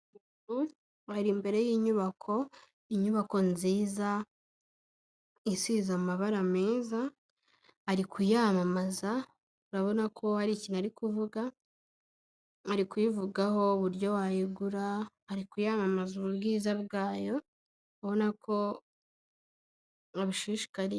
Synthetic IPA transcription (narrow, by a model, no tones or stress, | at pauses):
u | ɾu | haɾimbe̞ɾe̞jiːɲuβakʰo̞ | iɲuβako̞nziːza | isizamaβaɾameːza | aɾikʰujamamaza | uɾaβo̞nakʰo̞haɾicinaɾikuvuɡa | aɾikwivuɡaɦo̞βuɾjo̞wajiɡuɾahaɾikujamamazuβuβɡiːzabɡaːjo̞ | aβo̞nakʰo̞ | aβiʃiːʃi̥kaɾi